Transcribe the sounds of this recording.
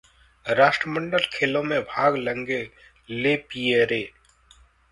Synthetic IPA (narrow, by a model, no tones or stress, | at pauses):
ɾaːʃʈɾəmə̃ɳɖəlkʰeːlõmẽbʱaːɡlə̃ŋɡe | leːpijeɾeː